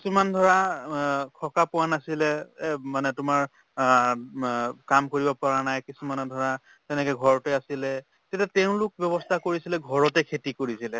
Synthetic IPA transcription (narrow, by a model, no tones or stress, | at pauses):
kisumandʱɔɹa | kʰɔkapʊwanasilɛmanɛtʊmaɹ | kamkoɹibɔpaɹanajkisumanɔdʱɔɹa | tɛnɛkɛɡʱɔɹɔtɛasilɛ | tɛtatɛʊ̃lʊk̚bjɔβɔstʰakoɹisilɛɡʱɔɹɔtɛkʰetikoɹisilɛ